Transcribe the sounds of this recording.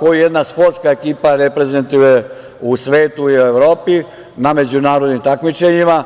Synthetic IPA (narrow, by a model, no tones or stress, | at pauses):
kojujed̪naspoɾt̪skaekiːpaɾepɾe̞ze̞nt̪uje | usʋe̞ːt̪uiue̞ʋɾo̞ːpi | name̞d͡ʑunaːɾo̞d̪nimt̪akmit͡ʃeɲima